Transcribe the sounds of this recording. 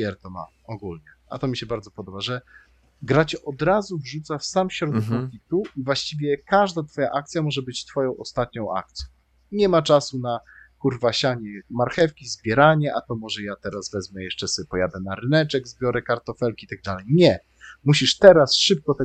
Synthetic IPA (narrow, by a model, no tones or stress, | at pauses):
ɛɾt̪ɔma̰ | ɔɡulɲɛ | a̰t̪ɔmʲiɕɛbaɾd̪zɔpɔd̪ɔbaʐɛ | ɡɾat͡ɕɛʔɔd̪ɾazuvʐut̪safsamɕɾɔd̪ɛɔkʲit̪uivwaɕt͡ɕivʲjɛkaʐd̪at̪fɔja̰ʔak̚t̪sʲjamɔʐɛbɘt͡ɕt̪fɔjɔ̃w̃ɔst̪at̪̚ɲɔ̃w̃ʔa̰k̚t̪sʲjɔ̃w | ɲɛmat͡ʂasunakuɾvaɕaɲɛmaɾxɛfkʲizbʲjɛɾaɲɛʔat̪ɔmɔʐɛjat̪ɛɾazvɛzmɛjɛʂt͡ʂɛspɔjad̪ɛnaɾɘnɛt͡ʂɛɡzbʲjɔɾɛkaɾt̪ɔfɛlkʲiit̪aɡ̚d̪alɛjɲɛ | muɕiʂt̪ɛɾasʂɘp̚kɔt̪ɛ